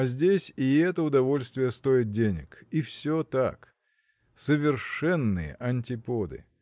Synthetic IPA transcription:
ɐzʲdʲesʲɪɛt̪əʊd̪ɐvo̞lʲst̪vʲɪjəst̪o̞ɪt̪̚dʲenʲɪ̰kifsʲot̪a̰k | səvʲɪrʂɛnːɨjə̰ʔɐnʲtʲɪpod̪ɨ̰

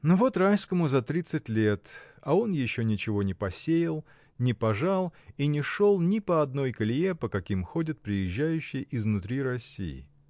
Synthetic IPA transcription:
nʊvo̞t̪rajskəmʊzɐt̪ɾʲit̪sɨtʲlʲe̞t̪ɐo̞njɪɕːo̞nʲɪt͡ɕɪvo̞nʲɪpɐsʲejɪlˠ | nʲɪpɐʐalˠinʲɪʂo̞lˠnʲɪpəɐd̪̚no̞jkəlʲɪepəkɐkʲimxo̞dʲɪt̪̚pɾʲɪjɪʑːæjʉɕːɪjəʔɪznʊt̪ɾʲiɾɐsʲːḭjɪ̰

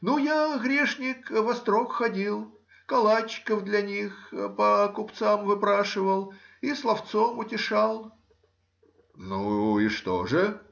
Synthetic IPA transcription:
nujaɣɾʲeʂnʲɪkvɐst̪ɾokxɐdʲilˠ | kɐlˠat͡ɕːɪ̥kəvd̪lʲɐnʲixpəkʊpt̪samvɨpɾaʂɨvəlˠislˠɐft̪somʊtʲɪʂalˠ | nuɪʂt̪o̰ʐɨ

